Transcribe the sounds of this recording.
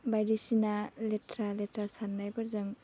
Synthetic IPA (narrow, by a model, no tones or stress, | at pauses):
bajɾisinaletɾaletɾasanːajbaɾzɯŋ